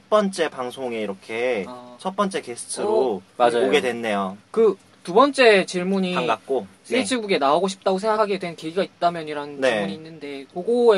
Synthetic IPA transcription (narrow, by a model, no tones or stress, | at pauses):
t͡ɕ̚ʰp͈ʌnt͡ɕ͈e̞paŋsʰoŋe̞iɾʌkʰe̞t͡ɕʰʌt̚p͈ʌnt͡ɕ͈e̞kesʰɯ̥tʰɯɾomad͡ʑajoɡe̞dwe̞nːe̞jokɯ | tubʌnt͡ɕ͈e̞t͡ɕiɭmuɲiaak̚k͈osʰet͡ɕʰiɡuɡe̞naoɡoɕʰi̥p̚t͈aɡos̬ʰe̞ŋɡakʰaɡe̞dwe̞nkeiɡait̚t͈amjʌɲiɾanɯnniemuɲiːnːɯnde̞koɡoe